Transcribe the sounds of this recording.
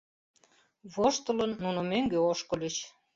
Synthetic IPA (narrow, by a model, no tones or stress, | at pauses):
βoʃt̪ə̆lə̆nːunŏmøŋɡøoʃkɤ̆lʲit͡ɕ